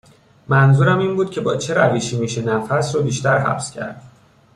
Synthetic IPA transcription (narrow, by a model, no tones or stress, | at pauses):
mænzuːɾæmiːnbuːd̪̥̚cʰe̞bɒːt͡ʃʰe̞ɾæviːʃiːmiːʃenæfæsɾrobiːʃt̪æɾɦæ̰pscʰæ̰ɾd̪̥